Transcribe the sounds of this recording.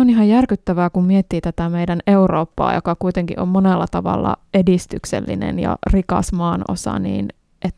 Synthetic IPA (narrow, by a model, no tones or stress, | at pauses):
oniɦɑjærkyt̪ːæʋæːkummiet̪ːiːt̪æt̪æmeidæneuroːpːɑ̰ːjo̰kɑkuit̪eŋkḭʔʔommonelːɑt̪ɑʋɑ̰lːɑ̰edist̪ykselːḭnḛnjɑ̰rikɑ̰smɑːno̰sɑ̰nḭːn | ʔet̪ː